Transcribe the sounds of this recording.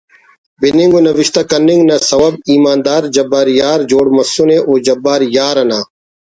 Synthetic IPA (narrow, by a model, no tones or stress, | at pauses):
bɪniŋɡonɐʋɪʃt̪aːkɐnːɪŋɡnɐsɐʋɐbiːmaːnd̪aːɾd͡ʒɐbːaːɾjaːɾd͡ʒoːɽmɐsunẽːʔoːd͡ʒɐbːaːɾjaːɾɐnaː